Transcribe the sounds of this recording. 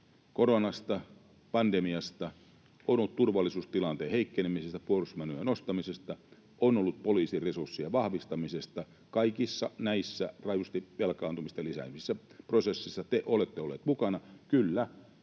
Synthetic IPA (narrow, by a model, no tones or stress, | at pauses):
koronɑst̪ɑ | pɑndemiɑst̪ɑ | onolːut̪t̪urʋɑlːisuːst̪ilɑnt̪eːheikːenemisest̪æpuolusmænyjenost̪ɑmisest̪ɑ | ʔonolːut̪̚poliːsiresursːiɑʋɑhʋist̪ɑmisest̪ɑ | kɑikisːɑnæisːærɑjust̪iʋelkɑːnt̪umist̪ɑlisæ̰misːæprosesːisːɑt̪eʔolet̪ːeolːḛːt̪mukɑnɑkylːæ